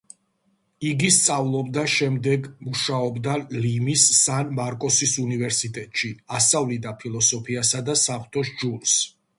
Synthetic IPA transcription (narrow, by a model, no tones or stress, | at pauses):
iɡist̪sʼavlˠɔbd̪aʃɛmd̪ɛɡmuʃaɔbd̪alimisːanmaɾkʼɔsisunivɛɾsit̪ʼɛt̪ʼʃiasavlid̪apʰilˠɔsɔpʰiasad̪asaχt̪ʰʼɔʃd͡ʒuls